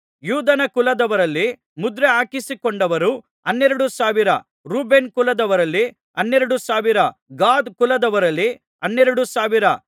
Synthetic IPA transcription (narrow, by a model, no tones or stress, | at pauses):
juːd̪ɐnɐkulɐd̪ɐʋɐɾɐlːi | mud̪ɾeɦaːkisikoɳɖɐʋɐɾu | ɐnːɛɾɐɽusaːʋiɾɐ | ɾuːbe̞nkulɐd̪ɐʋɐɾɐlːi | ɐnːeɾɐɽusaːʋiɾɐɡaːd̪kulɐd̪ɐʋɐɾɐlːi | ɐnːɛɾɐɽusaːʋiɾɐ